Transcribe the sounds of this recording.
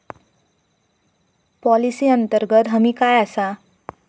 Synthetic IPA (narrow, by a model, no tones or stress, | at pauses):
pɔlisiʌnt̪əɾɡət̪ɦʌmikajasa